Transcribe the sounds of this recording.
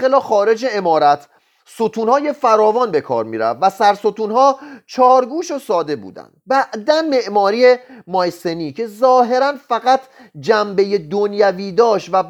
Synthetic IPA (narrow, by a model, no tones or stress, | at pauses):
elɒːxɒːɾe̞d͡ʒeemɒːɾæt̪ʰ | sot̪ʰuːnhɒːje̞fæɾɒːvɒːnbe̞kʰɒ̰ːɾmḭːɾæ̰vːæsæɾsot̪ʰuːnhɒːt͡ʃʰɒːɾɡuːʃosɒːd̪e̞bṵːd̪æ̰nd̪̥̚bæʔd̪ænme̞ʔmɒːɾiːemɒːjseniːcʰe̞zɒːɦe̞ɾænfæɣæt̪ʰ | d͡ʒæmbe̞je̞d̪onjæviːd̪ɒːʃt̪væ